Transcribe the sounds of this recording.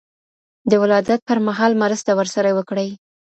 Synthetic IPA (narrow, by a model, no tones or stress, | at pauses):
d̪əwɪlɑd̪at̪̚pəɾmaɦɑlmaɾast̪awəɾsaɾawəkɽəj